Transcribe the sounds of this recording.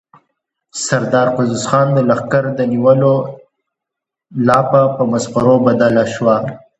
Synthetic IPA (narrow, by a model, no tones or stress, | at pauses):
saɾd̪ɑːɾqʊzʊsxɑːnd̪əlaxkaɾd̪əniwəlo | lɑːpapəmasqaɾobad̪alaʃwa